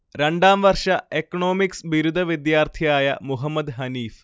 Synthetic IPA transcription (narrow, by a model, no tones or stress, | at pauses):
ɾe̞ɳɖaːmʋɐrʂɐekːɐɳo̞ːmiksʋiɾud̪ʱɐʋid̪jaːrt̪ʰijaːjɐ̰muɦɐmːɐd̪ɦɐniːf